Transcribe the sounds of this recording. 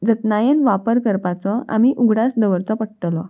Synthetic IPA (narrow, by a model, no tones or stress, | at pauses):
d͡zət̪najenʋapəɾkəɾpat͡sɔa̰miʔuɡʱɽasd̪əʋəɾt͡sɔpəʈɽʈ̪lɔ